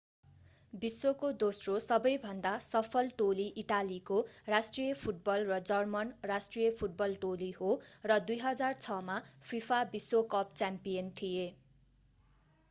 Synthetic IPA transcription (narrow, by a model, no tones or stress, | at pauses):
biswokod̪osrosʌbʌjbʱʌnd̪asʌpʰʌlʈoliʔiʈalikorasʈrijʌpʰuʈ̚bʌlrʌd͡zʌrmʌnrasʈrijʌpʰuʈ̚bʌlʈolihorʌd̪ujɦʌd͡zart͡sʰʌmapʰipʰabiswokʌp̚t͡sampijʌnt̪ʰije